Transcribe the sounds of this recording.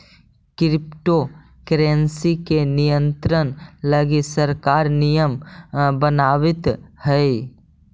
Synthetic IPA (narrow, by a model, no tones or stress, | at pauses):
kɾɪpʈo | kɾensikenijə̃nt̪ɾənləɡisəɾkaːɾnijəmbənaːʋɪt̪hɛi